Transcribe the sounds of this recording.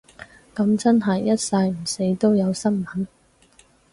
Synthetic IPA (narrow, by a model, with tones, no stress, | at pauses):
kɐ˨˧mt͡sɐ˥nɦɐ˨jːɐ˥t̚sɐ˧jm̩˨˩se˨˥jt̪o˥wjɐ˨˧wsɐ˥nmɐ˨˥n